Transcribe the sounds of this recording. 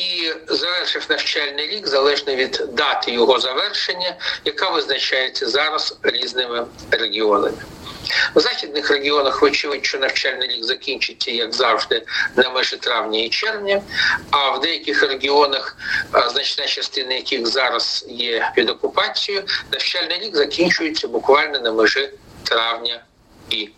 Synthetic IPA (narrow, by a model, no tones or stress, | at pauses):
izɐʋɛrʂɪfʲnɐwt͡ʃalʲnɪjɾʲiɡzɐlˠɛʐnɐʋʲid̪d̪ɑt̪ɪjɔɦɔzɐʋɛrʃenʲːɐjɐkaʋɪznɐt͡ʃajɪt͡sʲːɐzaɾɐsɾʲiznɪmɪ | reɡʲɪonɐ̰mʲɪ | zaxʲid̪̚nɪxreɡʲɪɔnɐxʋɪt͡ʃiʋɪtʲt͡ʃɔnɐwt͡ʃalʲnɪɾʲiɡzɐkʲinʲt͡ʃɪtʲːɐjɐɡzawʐd̪ɪnɐmɨʐɨt̪ɾavnʲɪit͡ɕervnʲɪɐvd̪ɛjkʲɪxɾʲɪɡʲɪonəxznat͡ɕɪ̥t̪nat͡ɕɪst̪ʲɪnjɐkʲixzaɾɐsjepʲɪd̪ɐkʊpat͡sʲːɪjʊnɐft͡ɕalʲnɨɾʲiɡzɐkʲinʲt͡ɕʊjɪt̪sʲəbʊkvalʲnənəmɨʐɨt̪ɾavnʲə | i